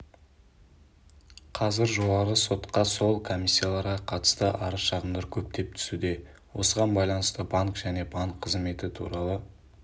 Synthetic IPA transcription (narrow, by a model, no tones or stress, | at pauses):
qʰɑzɪɾʒoɑʁəso̞t̪qɑso̞lˠkʰo̞mʲisʲːijalˠɑɾʁɑqʰɑt̪ə̥st̪əʔɑɾəʃɑʁəmd̪ɑɾkʲʰɵp̚t̪e̞p̚t̪ʰʏ̥sud̪e̞ | wo̞səʁɑnbɑjlˠɑnəst̪əbɑŋkʒ̥æne̞baŋkʰːəzme̞t̪ɪt̪ʰṵɾɑlˠə